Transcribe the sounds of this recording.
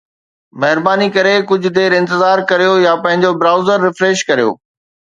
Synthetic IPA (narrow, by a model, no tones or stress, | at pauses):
mɐɦɪɾbaːnikɐɾekʊd͡ʑʱʊ̆d̪eːɾɪ̃nt̪ɪzaːɾkɐɾijojapɐ̃ɦɪ̃ɲd͡ʑobɾaːʊzəɾːɪfɾeːʃkɐɾijo̰ː